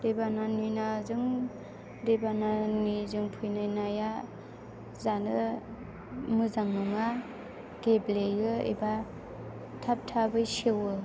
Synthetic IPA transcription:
ɾebananinazɯŋ | ɾebananizɯŋpʰujnajnaja | zanɯ | mɯzaŋnuŋa | ɡ̥eblejɯḛba | tʰap̚tʰabɯjsewɯ

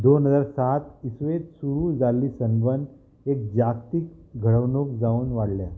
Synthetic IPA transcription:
d̪onɦəd͡zaɾsat̪isʋet̪suɾuːd͡zalːiːsəmbənd̪ | ek̚d͡ʑast̪iːkɡʱəɽəʋnokd͡zauːnʋaɽlja

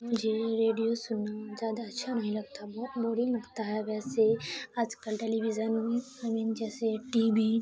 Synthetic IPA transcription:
mʊd͡ʒʱeɾeːɖijosʊnazjaːd̪atːʃʰanɐɦĩlɐɡ̚t̪abɔːbɔɾimɐɡt̪aɦɛʋɛːseaːd͡ʒkəlʈeːlibizənũ | ɐmĩnd͡ʒɛːseʈiːbi

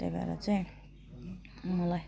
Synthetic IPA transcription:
ḛba̰ɾa̰t͡saj̃ | mʌla

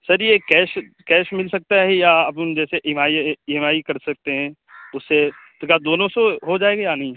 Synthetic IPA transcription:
səɾjekɛːʃ | kɛːʃmɪlsɐk̚t̪aɦɛɦijaɐpd͡ʒɛːseʔɪmaːiɪmaːikɐɾsɐk̚t̪eɦɛ̃ː | ʊsːet̪kad̪oːnõsoɦod͡ʒaːeːɡajanɐɦĩ

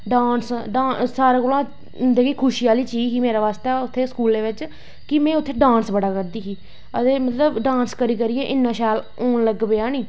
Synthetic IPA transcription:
ɖãːnsɖãːsaːɾeːkoːlãː | d̪eːkʰiːkʰʊʃiːjaːliːt͡ʃiːkiːmeːɾaːʋaːst̪ɛːʊt̪ʰːeːskuːld̪eːʋɪt͡ʃ | kɪmɛ̃ːʊt̪ʰːeːɖãːnsbəɽaːkəɾd̪iːɦiː | əd̪eːmət̪ləbɖãːnskəɾiːkəɾiːeːʔɪnːãːʃɛːl | oːnləɡbeːaːniː

